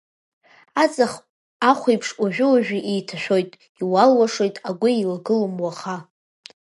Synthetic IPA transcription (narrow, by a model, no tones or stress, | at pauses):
at͡sʼaχ | aχʷijpʰʂaʒᶣʊwaʒᶣiʔejtʰaʃᶣo̞jtʼ | iwalwaʂojtʼaɡʷʊilɡɨlɨmwaχa